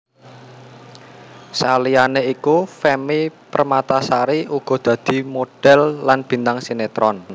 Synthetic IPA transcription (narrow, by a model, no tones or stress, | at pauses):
salijaneikufɛmipərmat̪asaɾiuɡ̥ɔ̤d̪̥ä̤d̪̥i̤moɖ̥ɛ̤lːanb̥i̤nt̪aŋsinet̪ɾɔn